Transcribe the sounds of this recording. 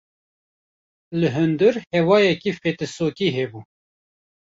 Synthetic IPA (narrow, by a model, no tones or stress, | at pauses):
lɨɦɨnd̪ɨɾhɛwɑːjɛkiːfeːt̪ɨsoːkiːɦɛbuː